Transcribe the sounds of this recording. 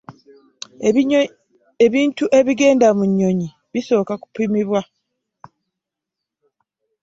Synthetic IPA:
eβiːntuʔe̞βiɡe̞ːndamuɲːo̞ɲi | βiso̞ːkaku̥pimiβwa

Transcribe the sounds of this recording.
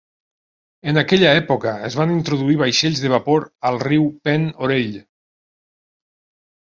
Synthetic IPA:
enakɛʎaɛpokəezβanint̪ɾoðuiβ̞ajʃeʎzðəβ̞apoɾalˠriwpɛnoɾeʎ

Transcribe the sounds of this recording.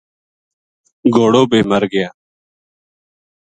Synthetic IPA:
ɡoːɽoːbeːməɾɡɪjaː

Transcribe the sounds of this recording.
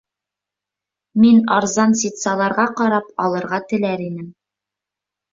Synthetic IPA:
minɑɾzɑnsit̪sɑlˠɑɾʁɑqɑɾɑpɒlˠɤ̆ɾʁɑt̪ɘ̆læɾinɘm

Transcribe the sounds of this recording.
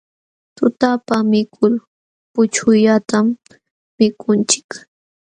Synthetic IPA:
t̪ʊt̪apamɪkʰʊl | pʊt͡ʃʊʎat̪amː | ɪkʊnt͡ʃɪ̥k

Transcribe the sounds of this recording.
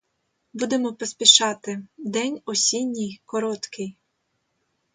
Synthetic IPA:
bud̪emɔpɔsʲpʲiʃɑt̪ɪd̪ɛnʲɔsʲinʲːijkɔɾɔt̪kɪj

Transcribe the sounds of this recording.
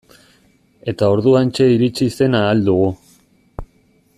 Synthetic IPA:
e̞t̪ao̞ɾðuant͡ʃe̞iɾit͡ʃise̞naːld̪uɣu

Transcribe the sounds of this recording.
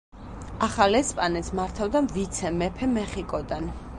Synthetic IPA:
aχalɛspʼanɛt̪smaɾt̪ʰavd̪amvit̪sʰɛmɛpʰɛmɛχikʼɔd̪an

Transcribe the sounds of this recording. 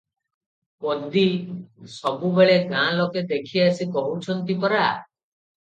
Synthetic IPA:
pɔd̪isɔbubeɭeɡãlɔked̪ekʰiasikɔɦut͡ʃʰɔnt̪ipɔɾa

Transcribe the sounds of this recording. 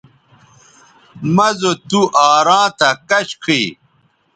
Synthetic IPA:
mɐzot̪uʔaːɾãːt̪ɐkɐɕkʰi

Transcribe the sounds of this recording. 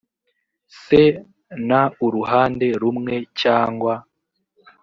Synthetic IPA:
se̞ | nauɾuɦaːnde̞ɾumŋe̞caːŋɡwa

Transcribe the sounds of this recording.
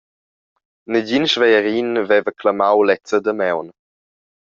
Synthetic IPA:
nəɟinʃvɛjəɾinvɛvəklamawlɛt͡səd̪əmɛwn

